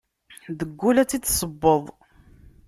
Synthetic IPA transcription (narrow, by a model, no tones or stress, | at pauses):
ðəɡʷːulæt͡sːit͡s̪ːsˤəbːəðˤ